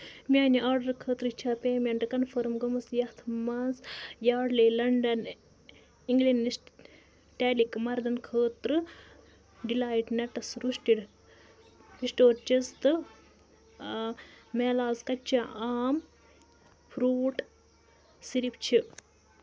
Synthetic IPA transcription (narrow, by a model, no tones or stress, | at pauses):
mʲaːniaːɾɖɐɾkʰəːt̪ɾɨt͡ʃʰaːpeːmeɳʈkɐnfɐɾmɡɐmɐsjɐht̪ʰmɐnzjaːɽleːlɐɳɖɐn | iŋɡlinːisʈ | ʈeːlikmɐɾd̪ɐnkʰəːt̪ɾɨ | ɖilaːiʈnɐʈɐsɾuʂʈiɽ | hisʈoːɾt͡ʃist̪ɨ | meːlaːzkɐt͡ʃːaaːm | pʰɾuːʈ | siɾip̚t͡ʃʰi